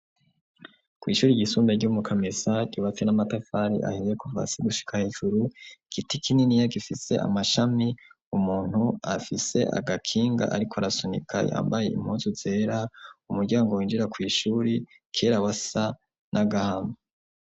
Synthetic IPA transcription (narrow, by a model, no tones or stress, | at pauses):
kwiːʃuːɾiɟisuːmbeɾɟumukʰamesaɟuːβafenamatafaɾḭʔa̰hijekuva̰siɡuʃi̥kʰaheːʒuɾuɡ̥itikininijaɡifise̞̰a̰maʃami | umuːn̥hua̰fise̞ʔa̰ɡakʰiːŋɡa̰ʔaɾikʰoaɾasonḭkʰa̰ja̰ːmbaje̞ḭmhuzuze̞ːɾaumuɾɟaːŋɡowiːnd͡ʒiɾakwiːʃuːɾi | kʰe̞ːɾawasa | nʔaɡahame